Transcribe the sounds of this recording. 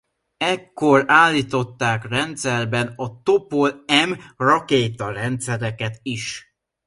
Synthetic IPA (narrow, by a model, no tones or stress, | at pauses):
ɛkːo̞raːlːiːt̪o̞t̪ːaːkrɛnt̪sɛrbɛnɒt̪o̞polɛmrɒkeːt̪ɒrɛnt̪sɛɾɛkɛt̪iʃ